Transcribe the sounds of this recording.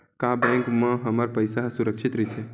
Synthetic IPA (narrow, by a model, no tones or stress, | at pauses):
kabɛ̃ŋkmə̃ɦəməɾpəjsaɦsuɾəkʃʰit̪ɾit͡ʃʰe